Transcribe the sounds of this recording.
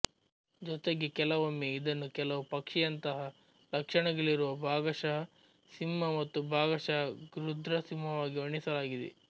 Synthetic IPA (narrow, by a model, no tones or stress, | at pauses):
d͡ʒɔt̪eɡekɛlɐʋɐmːeid̪ɐnːukɛlɐʋupɐkʂijɐnt̪ɐɦɐ | lɐkʂɐɳɐɡɐɭiɾuʋɐbʱaːɡɐʃɐ | simːɐmɐt̪ːubʱaːɡɐʃɐɡɾud̪ʱɾɐsimːɐʋaːɡiɐɳisɐlaːɡid̪ḛ